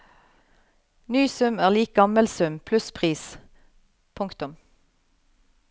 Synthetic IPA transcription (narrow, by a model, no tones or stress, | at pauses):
nyːsʉmæːʁliːk̚ɡɑməlsʉmpʰlʉspʰʁiːs | pʰʊŋkt̪ʊm